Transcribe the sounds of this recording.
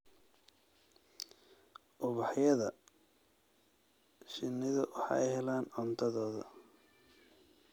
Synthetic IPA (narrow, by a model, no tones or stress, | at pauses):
ʔʊβɑħjɐðɐ | ʃɪnːɪðɐwɑħɑ̰ːʔɛjɦɛlaːnɔnt̪ʰɐðɔːðɐ̰